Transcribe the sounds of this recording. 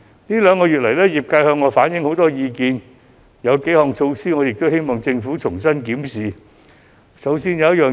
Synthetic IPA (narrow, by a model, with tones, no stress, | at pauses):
niː˥lœː˨˧ŋkɔː˧jyː˨t̚lɐ˨˩jlɛː˥jiː˨p̚kaː˧jhœː˧ŋːɔː˨˧faː˨˥njɪ˨˥ŋho˨˧˥wt̪ɔː˥jiː˨˧kiː˧n | jɐ˨˧wke˨˥jhɔː˨˩ŋt͡ʃʰo˧wsiː˥ŋɔː˨˧jɪ˨k̚t̪o˥whe˥jmɔː˨˩ŋt͡sɪ˧ŋfuː˨˥t͡ʃʰʊ˨˩ŋsɐ˥nkiː˨˥msiː˨ | sɐ˨˧˥wsiː˧njɐ˨˧wjt̚jœː˨